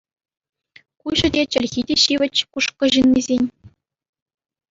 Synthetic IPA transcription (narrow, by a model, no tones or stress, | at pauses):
kuʑɘ̆dʲet͡ɕɘ̆lʲɣʲidʲeɕiʋʲɘ̆t͡ɕkuʂkɤ̆ʑinmʲezʲenʲ